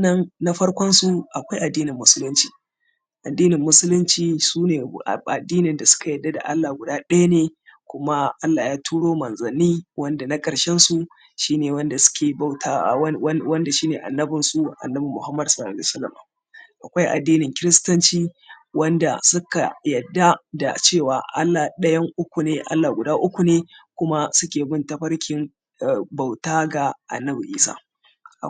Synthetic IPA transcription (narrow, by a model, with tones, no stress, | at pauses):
nɐ˦nna˦ɸɐ˦ɽkʷɔ˦nsu˦ʔa˨kʷa˦jʔa˨dːiː˦nɪ˨mːʊ˦sʊ˦lʊ˦nt͡ʃiː˨ | ʔa˨dːiː˦nɪ˨mːʊ˦sʊ˦lʊ˦nt͡ʃiː˨suː˦neː˨ʔa̰˨dːiː˦nɪ˨nda˨sʊ̥˦ka˨jɐ˨dːa˦da̰˨ʔa˦lːaː˨ɡʷʊ˨daː˦ɗɐ˦ja˦neː˨kʷʊ˦ma˦ʔa˦lːa˨jaː˦tʰuː˦ɽoː˦mɐ˨nzɐ˨niː˦wɐ˦nda˨na˦kʼɐ˨ɽʃɛ˦nsu˦ | ʃiː˦neː˨wɐ˦nda˨sʊ̥˦kʲeː˨ba˦wtʰaː˦˨˦wɐ˦nda˨ʃiː˦neː˨ʔa̰˨nːɐ˦bɪ˨nsu˦ʔa̰˨nːɐ˦bi˨mʊ˨ha˦mːɐ˨dsɐ˦laː˨lːsɐ˦lːɐ̰˨ma̰˨ | ʔa˨kʷa˦jʔa̰˨dːiː˦nɪ˨ŋkʲɪ˦ɾɪ˦stɐ˦nt͡ʃiː˦wɐ˦nda̰˨sʊ˦ka˨jɐ˨dːa˦da̰˨t͡ʃeː˦˨waː˨ʔa˦lːa˨ɗɐ˦jɐ˦ŋʔʊ˦kʷu˨neː˦ʔa̰˦lːa˨ɡʷʊ˨daː˦ʔʊ˦kʷu˨neː˦kʷʊ˦ma˦sʊ˦kʲeː˨bɪ˦ntɐ˨ɸɐ˦ɽkʲɪ˨m˨ | ba˨wtaː˦ɡa˨ʔa̰˨nːɐ˦bi˨ʔḭː˦sa̰ː˦ | ʔa̰˨